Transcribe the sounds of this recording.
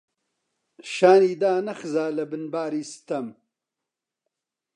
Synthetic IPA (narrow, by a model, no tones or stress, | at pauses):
ʃaːniːd̪aːnɐxɨzaːlɐbɨnbaːɾiːsɨ̥t̪ɐm